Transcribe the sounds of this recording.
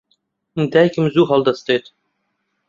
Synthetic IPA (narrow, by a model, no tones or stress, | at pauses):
d̪æjkɘ̆mzuɦɑlˠd̪ɑst̪et̪